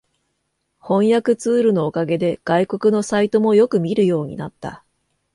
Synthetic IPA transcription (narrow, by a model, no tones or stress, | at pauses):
hõ̞ɰ̃jakɯ̟t͡sɨːɾɯ̟no̞ːkaɡe̞d̪e̞ɡ̥aiko̞kɯ̟no̞sait̪o̞mo̞jo̞kɯ̟mʲiɾɯ̟jo̞ːɲ̟ḭnat̪ːa̰